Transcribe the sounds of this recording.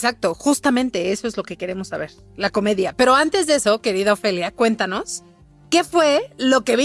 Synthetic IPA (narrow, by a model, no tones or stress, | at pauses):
sak̚t̪o̞xust̪amẽ̞nt̪e̞eso̞e̞zlo̞ke̞ke̞ɾe̞mo̞sːa̰βe̞ɾ | lako̞me̞ðjape̞ɾo̞ant̪e̞zðe̞so̞ke̞ɾiðaofe̞ljakwe̞nt̪ano̞s | ke̞fwe̞lo̞ke̞βi